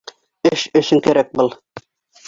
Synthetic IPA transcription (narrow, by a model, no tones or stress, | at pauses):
ɘʃɵ̆ʃɘŋkæɾæk̚bɤlˠ